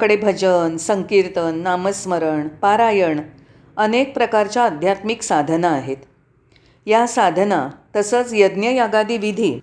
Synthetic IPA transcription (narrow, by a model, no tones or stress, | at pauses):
kəɽebʱəd͡ʑənsəŋkiɾt̪ənːaməsməɾəɳpaɾajəɳ | ənek̚pɾəkaɾt͡ɕaəd̪ʱjat̪miksad̪ʱənaːɦet̪ | jasad̪ʱənat̪əsəːt͡sjəd̪njəjaɡad̪iːʋid̪ʱiː